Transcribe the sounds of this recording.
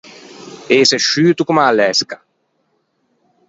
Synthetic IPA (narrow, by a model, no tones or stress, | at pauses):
eːseʃːyːt̪ukumaːlːɛskḁ